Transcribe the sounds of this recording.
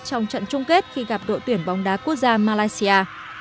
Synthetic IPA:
t͡ɕɔ˧wŋ͡mt͡ɕə̰˧˨nt͡ɕʊ˧ŋ͡mke˦˥t̚xi˧ɣa˨˩p̚ɗo̰˧˨t̪wi˧˩ənɓɔ˨˦wŋ͡mɗaː˨˦ku˦˥ək̚zaː˧maː˧laː˧jsi˧aː˧

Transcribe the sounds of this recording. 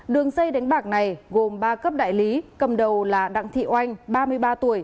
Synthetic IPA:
ɗɨ˨˩əŋsə˧jɗa˨˦jŋ̟ɓaː˨˩k̚na˨˩jɣo˨˩mɓaː˧kə˦˥p̚ɗa̰ː˧˨jli˨˦kə˨˩mɗə˨˩wlaː˨˩ɗa̰ː˧˨ŋt̪ʰḭ˧˨ʔwa˧jŋ̟ɓaː˧mɨ˧əjɓaː˧t̪u˧˩əj

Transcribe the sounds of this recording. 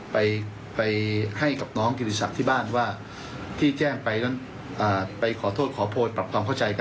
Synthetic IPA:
pa˧j | pa˧jha˥˩jka˨˩p̚nɔː˦˥ŋki˧ni˧sa˨˩t̪ʰiː˥˩baː˥˩nwaː˥˩ | t̪ʰiː˥˩t͡ɕɛː˥˩ŋpa˧jna˦˥n | ʔaː˨˩pa˧jkʰɔː˩˦t̪ʰoː˥˩t̪̚kʰɔː˩˦pʰoː˧pɾa˨˩kʰwaː˧mkʰa˥˩wt͡ɕa˧jka˧

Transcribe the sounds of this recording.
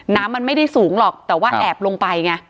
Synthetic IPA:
naː˦˥mːa˧nma˥˩jda˥˩jsuː˩˦ŋlɔː˨˩k̚t̪ɛː˨˩waː˥˩ʔɛː˨˩p̚lo˧ŋpa˧jŋa˧

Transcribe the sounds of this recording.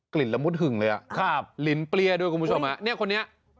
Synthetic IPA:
kli˨˩t̪̚la˧mu˦˥t̪̚ɦɯ˨˩ŋlɤː˧jʔa̰˨˩ʔkʰa˥˩p̚li˨˩˦npli˧əɐdu˧jku˧pʰt͡ɕʰo˧mha˦˥ni˥˩ɐkʰo˧nːi˦˥ɐ

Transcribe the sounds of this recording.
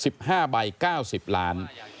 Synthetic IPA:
si˨˩p̚haː˥˩ba˧jkaː˥˩wsi˨˩p̚laː˦˥n

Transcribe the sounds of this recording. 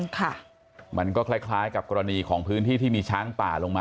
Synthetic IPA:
nkʰa˥˩ | mʔa˧nkɔː˥˩kʰlaː˥˩jkʰlaː˦˥jka˨˩p̚kɔː˧ɾa˧niː˧kʰɔː˩˦ŋpʰɯː˦˥nt̪iː˥˩t̪ʰiː˥˩miː˧t͡ɕʰaː˦˥ŋp̪aː˨˩lo˧ŋmaː˧

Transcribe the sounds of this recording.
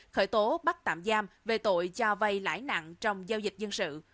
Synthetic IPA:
xəː˧˩jt̪o˨˦ɓa˦˥k̚t̪a̰ː˧˨mzaː˧mve˨˩t̪o̰˧˨jt͡ɕɔ˧və˧jla̰ː˧˥jna̰˧˨ŋt͡ɕɔ˧wŋ͡mzaː˧wzi˨˩k̟̚zə˧nsɨ̰˧˨

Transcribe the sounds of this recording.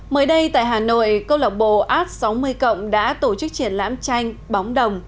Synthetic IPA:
məː˨˦jɗə˧jt̪a̰ː˧˨jɦaː˨˩no̰˧˨jkə˧wlə˨˩wk͡p̚ɓo̰˧˨ʔaː˦˥t̚sa˨˦wmɨ˧əjkə̰˧˨wŋ͡mɗa̰ː˧˥t̪o˧˩t͡ɕɨ˦˥k̚t͡ɕi˧˩ənla̰ː˧˥mt͡ɕa˧jŋ̟ɓa˨˦wŋ͡mɗə˨˩wŋ͡m

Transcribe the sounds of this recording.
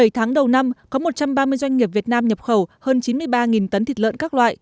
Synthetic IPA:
ə˧˩jt̪ʰaː˨˦ŋɗə˨˩wna˧mkɔ˨˦mo˨˩t̚t͡ɕa˧mɓaː˧mɨ˧əjzwa˧ŋ̟ŋi˨˩əp̚vi˨˩ət̚naː˧mɲə˨˩p̚xə˧˩whəː˧nt͡ɕi˨˦nmɨ˧əjɓaː˧ŋi˨˩nt̪ə˨˦nt̪ʰi˨˩t̚lə̰ː˧˨nkaː˦˥k̚lwa̰ː˧˨jʔ

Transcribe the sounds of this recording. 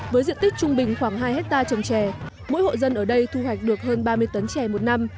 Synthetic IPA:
vəː˨˦jzḭ˧˨ənt̪i˦˥k̚t͡ɕʊ˧ŋ͡mɓï˨˩ŋ̟xwaː˧˩ŋɦaː˧jhɛ˦˥t̚t̪aː˧t͡ɕə˨˩mt͡ɕɛ˧˩ | mo̰˧˥jho̰˧˨zə˧nʔəː˧˩ɗə˧jt̪ʰu˧hwa˨˩jk̟̚ɗɨ˨˩ək̚ɦəː˧nɓaː˧mɨ˧əjt̪ə˨˦nt͡ɕɛ˧˩mo˨˩t̚na˧m

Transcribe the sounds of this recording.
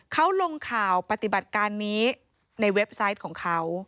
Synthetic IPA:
kʰa˦˥wlo˧ŋkʰaː˨˩wpa˧t̪i˨˩ba˨˩t̪̚kaː˧nːiː˦˥ | na˧jwe˦˥p̚sa˦˥jt̪̚kʰɔː˩˦ŋkʰa˦˥w

